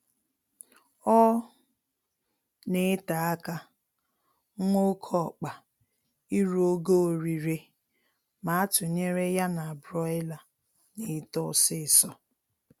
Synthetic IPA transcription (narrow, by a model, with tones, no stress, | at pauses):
ɔ˦ | ne˦ta˨a˦ka˦ | ŋʷo˦kʰɔ˦˨k͡pa˨ | i˦ɾo˦ɡo˦o˨ɾi˨ɾe˦ | ma˨a˦tʊ˨ɲe˦ɾe˦ja˦na˨a˨bɾɔ˦ɪ˦la˨ | ne˨˦tɔ˦˨sɪ˦˨sɔ˦